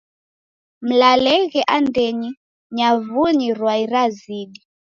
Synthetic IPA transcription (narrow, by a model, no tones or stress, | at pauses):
m̩lalɛɣɛʔandɛɲi | ɲavuɲiɾwaiɾaziɗi